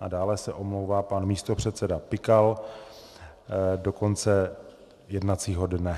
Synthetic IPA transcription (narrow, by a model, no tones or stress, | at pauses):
ʔadaːlɛsɛʔo̞mlowvaːpanmiːst̪o̞pr̝̥ɛt̪sɛdapɪkal | do̞ko̞nt͡sɛ | jɛdnat̪t͡siːɦo̞dnɛ